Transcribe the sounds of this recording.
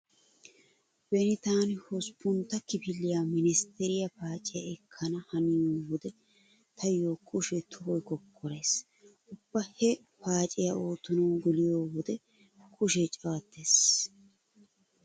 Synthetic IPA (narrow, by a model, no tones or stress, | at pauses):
bɛnɪt̪aːnɪhɔspːʊnt̪ːɐkɪpɪlːɪjaːmɪnɪst̪ɛɾɪjɐpaːt͡ʃʼɪjɐɛkʰːɐnɐhɐnɪjoːwɔd̪ɛ | t̪ʰɐjo̞ːkʼʊʃɛt̪ʰʊbɔjkɔkʰːɔɾeːs | ʔʊb̥ːɐhɛ | paːt͡ʃʼɪjɐʔo̞ːt̪ːʊnɐwɡɪlɪjoːwɔd̪ɛ | kʼʊʃɛt͡ʃʼɐwɐt̪ːeːs